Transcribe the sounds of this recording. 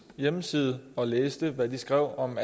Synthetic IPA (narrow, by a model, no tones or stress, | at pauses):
jeməsið̞̩ˠɒ̽leːsd̥əʋæd̥isɡ̥ʁɛʊ̰ɒ̽m